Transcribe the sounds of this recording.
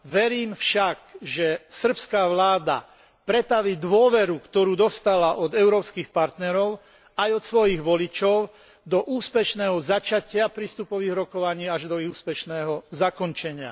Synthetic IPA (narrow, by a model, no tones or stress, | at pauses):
ʋɛɾiːmfʃakʒɛsr̩pskaːʋlaːd̪a̰ | pɾɛt̪aʋiːd̪ʋʊɔʋɛɾukt̪ɔɾuːd̪ɔst̪alaʔɔd̪ɛʊɾɔːpskiːxpaɾt̪nɛɾɔʊ | ajɔt̪sʋɔjiɣʋɔlit͡ʃɔʊ | d̪ɔʔuːspɛʃnɛːɦɔzat͡ʃacɪapɾiːst̪upɔʋiːɣɾɔkɔʋaɲiːaʒd̪ɔuːspɛʃnɛːɦɔzakɔnt͡ʃɛɲɪa̰